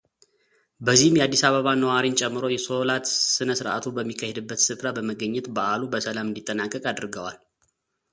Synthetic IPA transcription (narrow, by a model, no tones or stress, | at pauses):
bəzːihɨmjɛad̪ːisaβəβanəwaɾint͡ʃʼɛmːɨɾo̞jɛso̞lat̪sɨnəsɨɾʔa̰t̪ʰubəmːikʰːahed̪ɨbːət̪sɨfɾabəməɡəɲːɛt̪baʔalubəsəlamɨnd̪it̪ʼːənakʼːəkʼad̪ɨɾɡəwal